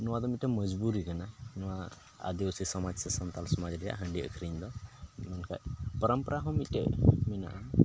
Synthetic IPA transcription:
nɔwad̪ɔmiʈeməd͡ʒbuɾiɡananɔwa | a̰d̪iusisɔmad͡ʒsesɔnt̪alsɔmad͡ʒɾija̰ɦaɳɖiə̰kʰɾind̪ɔmankʰa̰jpəɾəmpɾaɦɔmiʈḛmina̰ʔa

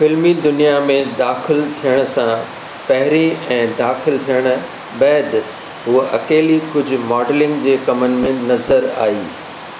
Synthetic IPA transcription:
fɪlmid̪ʊnijamẽd̪aːxɪlt̪ʰijəɽ̃ʊ̆sã | pɐɦɪɾĩɛ̃ːd̪aːxɪlt̪ʰijəɽ̃̆ | bɛːd̪ | ɦʊʔɐkeːlikʊd͡ʑʱʊ̆mɔːɖlɪ̃ŋɡd͡ʑeːkɐmənɪ̆mẽnɐzəɾa̰ːiː

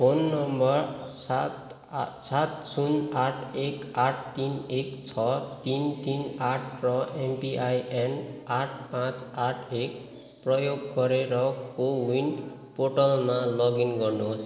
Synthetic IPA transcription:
pʰonːʌmbʌrsat̪ | sat̪sunaʈʰekaʈʰt̪inekt͡sʰʌt̪int̪inaʈʰrʌempiʔajenaʈʰpãt͡saʈʰek | prʌjoɡːʌɾeɾʌkowinpoʈʌlmalʌɡinɡʌrnos

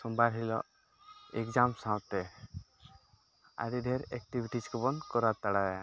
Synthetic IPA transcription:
sɔmbaɾɦilɔ̰ | ekd͡ʒamsãwt̪ɛ | a̰ɾid̪ʱeɾɛk̚ʈibiʈit͡ʃkɔbɔnkɔɾat̪aɽaja

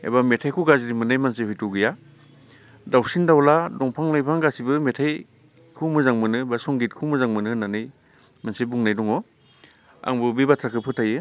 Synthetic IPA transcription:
ḛjbametʰajkʰuɡaziɾimɯnɯjmansehɔjtuwɡɯja | dawsindawladɔŋpʰaŋnajpʰaŋɡasibɯmetʰaj | kʰumɯzaŋmɯnɯbasɔŋɡit̚kʰumɯzaŋmɯnɯnanɯj | mansebuŋnajdɔŋɔ | a̰ŋbɯbibatʰɾakʰɯpʰɯtʰajɯ

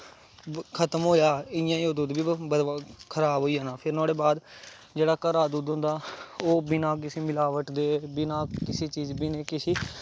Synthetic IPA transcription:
kʰət̪əmɦoːjaːɪjãːioːd̪uːd̪biːbəd̪akʰəɾaːbɦoːiːãːnaːpʰɪɾnɔ̃ːɽeːbaːd̪ | d͡ʒeːɽaːkəɾaːd̪uːd̪ɦʊ̃nd̪aːoːbɪnãːkɪseːmɪlaːʋəʈd̪eːbɪnaːkɪseːt͡ʃiːzbiːneːkɪsiː

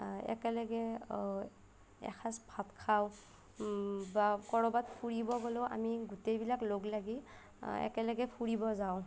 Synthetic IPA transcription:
ɛ̰kɛlaɡɛ | ɛ̰kʰasbʱatkʰaw | bakɔɹɔbatpʰuɹibɔɡɔlɔʔa̰miɡutejbilakloɡlaɡi | ɛ̰kɛlaɡɛpʰuɹibɔzaʊ̃

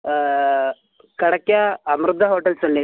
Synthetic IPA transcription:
kɐɽɐkjaɐmɾud̪ʱːɐɦoːʈɐlsɐlːe

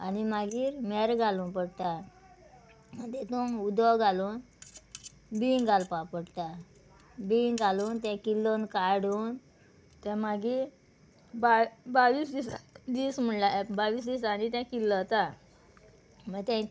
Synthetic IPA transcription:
a̰nimaɡiːɾmɛɾɡaluːnpəɽt̪a | məd̪et̪oud̪ɔɡaluːn | biŋɡʱalpapəɽt̪a | biɡaluːnt̪ãkilːonkaɽun | t̪ãmaɡi | babaʋiːsd̪isd̪iːsm̤əɳlabaʋiːs̬d̪isanit̪̬ãkilːət̪a | məɡt̪ɛ̃

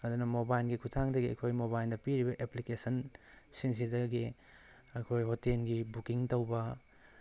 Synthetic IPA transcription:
ɐdunɐmobajlɡikʰutʰaŋdɐɡiɐ̰kʰojmobajldɐpiɾibɐʔeplikesɐn | siŋs̬idɐɡi | ɐkʰojɦotenɡibukiŋtɐwbɐ

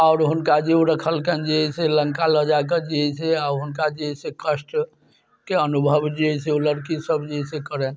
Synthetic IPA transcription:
aʊɾɦunkad͡ʒeuɾəkʰəlkənd͡ʒeɦɛseləŋkaləd͡ʒak̬əd͡ʒiɛseaɾɦunkad͡ʒeɦəsekəsʈ | keənubʱəbd͡ʒeɛseuləɾkisəbd͡ʒeɦisekəɾɛn

